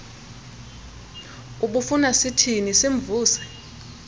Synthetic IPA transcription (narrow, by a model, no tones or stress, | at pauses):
uɓufunasitʰiniseɱb̪vuːsɛ̥